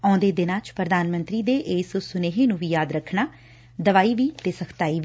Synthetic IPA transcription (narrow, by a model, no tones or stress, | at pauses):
ɔ̃ːnd̪eːd̪ɪnãːt͡ʃpɾəd̪aːnmənt̪ɾiːd̪eːʔeːssʊneːɦeːnũːʋiːjaːd̪ɾəkʰnaː | d̪əʋaːiːʋiːt̪eːsəkʰt̪aːiːʋ